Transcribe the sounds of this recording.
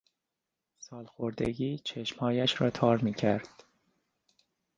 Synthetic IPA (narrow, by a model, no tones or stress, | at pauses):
sɒːlxoɾd̪eɟiːt͡ʃʰe̞ʃmhɒːjæʃɾɒ̰ːt̪ʰɒːɾmiːcʰæɾd̪̥